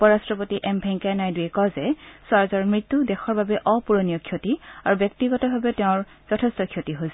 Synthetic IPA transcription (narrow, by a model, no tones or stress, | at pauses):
pɔɹastɹɔpotiʔɛmbʱɛŋkajnajduɛkɔzɛswaɹzɔɹmɹitːudɛxɔɹbabɛʔɔpuɹonijɔkʰjotiaɹubjɔk̚tiɡɔtɔbʱabɛtɛʊ̃ɹ | z̥ɔtʰɛstɔkʰiotiɦos